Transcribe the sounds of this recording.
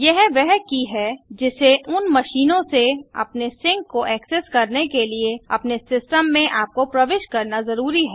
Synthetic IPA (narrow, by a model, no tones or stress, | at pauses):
jɛɦʋɛɦkiɦɛd͡ʒɪseʔʊnmɐʃiːnõseɐ̰pnesɪ̃ŋkːoʔɛːkseskɐɾnekelieɐ̰pnesɪsʈəmːẽʔaːp̚kopɾɐʋeːʃkɐɾnazɐɾuːɾiɦɛː